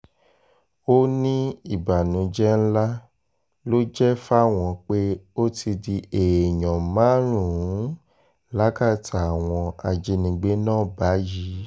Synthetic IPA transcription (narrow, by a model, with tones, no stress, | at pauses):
o˦nĩ˦i˦˨ba˨nũ˨˦d͡ʒɛ˦n̩˦la˦ | lo˦d͡ʒɛ˦fa˦˨w̃ɔ̃˧k͡pe˦o˦tʰi˧di˧e˨e˨jɔ̃˨mãː˦ɾ̃ũ˨ũ˨˦ | la˨˦ka˦˨tʰa˨a˨w̃ɔ̃˧a˧d͡ʒe˧nĩ˧ɡ͡be˦nãː˦˨ba˨˦ji˨˦